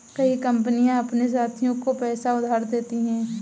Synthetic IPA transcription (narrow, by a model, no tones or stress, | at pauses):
kɐikɐ̃mpənijãɐpnes̬aːt̪ʰijõkopɛːsaʊd̪ʱaːɾd̪eːt̪iɦɛ̃ː